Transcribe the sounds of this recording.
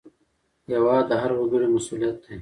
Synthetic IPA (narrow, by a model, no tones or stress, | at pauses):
jɐwaːd̪ɐɦɐɾwuɡuɾemɐsuːlijɐt̪̚d̪e